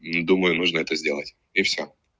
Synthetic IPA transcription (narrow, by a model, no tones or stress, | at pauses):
d̪uməjʊnuʐnəɛt̪əzʲdʲelˠətʲ | ɪfsʲo